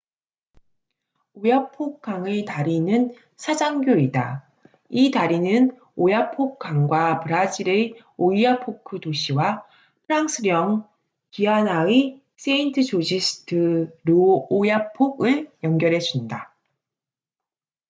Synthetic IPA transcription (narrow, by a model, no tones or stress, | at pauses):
ojapʰok̚k͈aŋɯɭtaɾinɯn | sʰad͡ʑaŋɡjoida̰ | itaɾinɯn | ojapʰok̚k͈aŋɡwapɯɾad͡ʑiɾe | oijapʰokʰɯtoɕʰiwa | pʰɯɾaŋs͈ʰɯɾjʌŋ | pianai | s͈ʰeintʰɯt͡ɕod͡ʑisʰɯ̥tʰɯɾuːjapʰoɡɯɭjʌŋɡjʌɾɦe̞d͡ʑunda